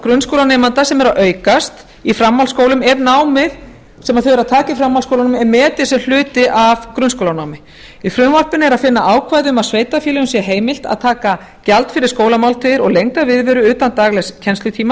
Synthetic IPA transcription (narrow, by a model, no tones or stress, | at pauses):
kɾʏnskowlanɛːmant̪asɛmɛɾaðʔœːɥkast̪ | ifɾamːalskoːwlʏmɛɾnaːwmɪð | sɛmaðθœɥɛɾaðt̪ʰaːcaifɾamːalskowlanmɛmɛːt̪ɪsɛml̥ʏːt̪ɪʔavkɾʏnskowlanaːwmɪ | ifɾʏnvɔr̥pɪnɪɛɾaðfɪnːaʔaːwkʰvaːjðʏʏmaðsveːjt̪afjilɛʏmsjɛɦeːjmɪl̥t̪a̰ðt̪ʰaːka | calt̪fɪɾɪɾ̥skoːwlamawlt̪ʰɪðɪɾɔɣlejŋkavɪðvɛɾʏʏːt̪ant̪aːɣlɛscʰɛnst̪ʏt̪ʰiːma